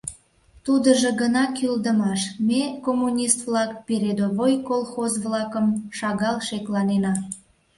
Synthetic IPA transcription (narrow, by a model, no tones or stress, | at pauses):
t̪ud̪əʒəɡənɑkyld̪əmɑʃmekomːunʲist̪vlɑkpeɾed̪oβojkolˠxozβlɑkəmʃɑɣɑlʃeklɑnenɑ